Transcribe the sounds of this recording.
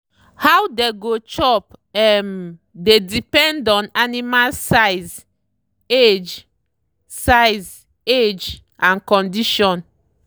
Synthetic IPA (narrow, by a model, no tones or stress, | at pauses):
hawdeɡot͡ʃɔpɛm | dedipɛ̃ndɔ̃nanimalsaɪz | ed͡ʒ | sajz | ed͡ʒ | ãnkɔ̃ndiʃɔ̃n